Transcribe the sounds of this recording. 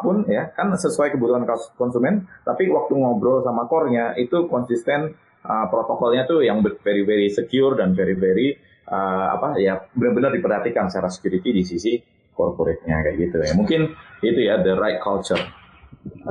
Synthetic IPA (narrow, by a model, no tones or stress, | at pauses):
pʊnjakansəsuajkəbut̪uhankkɔnsumɛnt̪apiwak̚t̪uŋɔbɾɔrsamakɔrɲaʔit̪ukɔnsist̪ɛn | ʔəpɾot̪okɔlɲat̪ujaŋbəfeɾiveɾisəkiʊrdanfeɾiveɾi | ʔəa̰pajabənərbənərdipərhat̪ikansət͡ʃaɾasə̥kjuɾit̪idis̬isi | kɔ̰rpoɾɛt̪̚ɲa̰kaʔɡit̪uja̰muŋkɪnit̪ujadəɾajt̪̚kʰalt͡ʃər